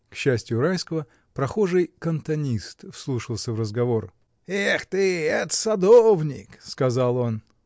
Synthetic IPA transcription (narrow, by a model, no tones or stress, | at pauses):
kɕːæsʲtʲjʊɾajskəvə | pɾɐxo̞ʐɨjkənt̪ɐnʲist̪fslˠuʂɨlˠsʲəvrəzɡɐvo̞r | ext̪ɨɛt̪ə̥sɐd̪ovnʲɪ̰kskɐzalˠo̞n